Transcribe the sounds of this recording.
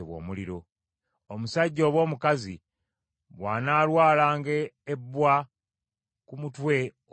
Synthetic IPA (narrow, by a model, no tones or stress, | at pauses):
βwo̞̰ːmuliɾo̞ | omusaɟːo̞ːβwo̞ːmukazi | βwaːnaːlwaːlaːŋɡeːbːwa | kumutwe̞